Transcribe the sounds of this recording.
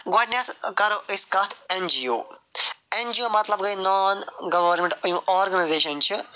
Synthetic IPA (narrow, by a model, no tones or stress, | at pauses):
ɡoːʈnʲjaːt̪kɐɾoʔiskɐt̪ʰend͡ʒiːoː | end͡ʒiːoːmɐt̪lɐb̚ɡɐinɔːnɡɐʋɐɾmẽɳʈɐjũːʔɔːɾɡɐnɐzeːʃɐnt͡ʃʰi